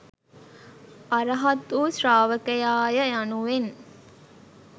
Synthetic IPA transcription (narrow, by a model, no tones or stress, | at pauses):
aɾəɦat̪uːsraːʋəkəjaːjəjanuʋen